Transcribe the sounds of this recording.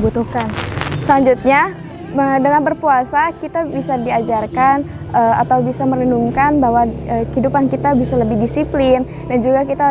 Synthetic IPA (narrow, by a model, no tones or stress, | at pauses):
but̪uhkansəlaɲd͡ʒut̪̚ɲa | ədəŋanbərpuasakit̪abisadiad͡ʒarkan | əa̰t̪awbisaməɾənuŋkanbaɦwaəhidupankit̪abisaləbɪhdisiplɪn | dand͡ʒuɡakit̪a